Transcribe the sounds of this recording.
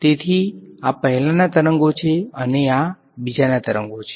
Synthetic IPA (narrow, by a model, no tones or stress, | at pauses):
t̪et̪ʰiapəɦɛlanat̪əɾəŋɡot͡ʃʰeənea | bid͡ʒanat̪əɾə̰ŋɡot͡ʃʰe̥